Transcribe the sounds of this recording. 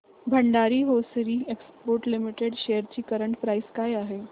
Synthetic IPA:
bʱəɳɖaɾiːɦosɾiekspoːɾʈlimiʈeɖʃejəɾt͡ɕiːkəɾəɳʈpɾaiskajaɦe

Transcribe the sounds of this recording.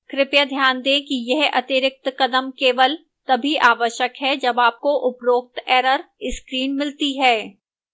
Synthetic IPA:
kɾɪpjəd̪ʱjaːnd̪ẽkijɛɦɐ̰t̪ɪɾɪk̚t̪kɐd̪əmkeːʋəl | t̪ɐbʱiʔaːʋəʃjəkɦɛd͡ʒɐbaːp̚koʔʊpɾoːk̚t̪ɛːɾəɾɪskɾiːnmɪlt̪iɦɛː

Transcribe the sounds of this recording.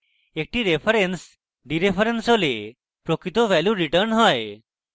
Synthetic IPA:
ek̚ʈiːɾefəɾens | ɖiɾefəɾensɦole | pɾokit̪oʋæljuɾiʈəɾnɦɔj

